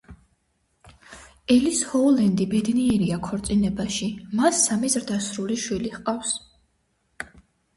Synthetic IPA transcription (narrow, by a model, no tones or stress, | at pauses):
ɛlishɔulɛnd̪ibɛd̪niɛɾiakʰɔɾt̪sʼinɛbaʃimasːamizɾd̪asɾuliʃwiliχqʼafs